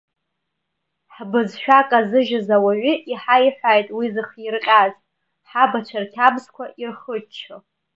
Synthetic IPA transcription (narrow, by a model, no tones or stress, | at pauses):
ħbɨzʃᶣakʼazɨʒazawaɥʷiʔiħajħʷajtʼwizɨχjirqʲʼazʼ | ħabat͡ʃʷʰarkʲʰabzkʷʰaʔirχət͡ʃʰɨ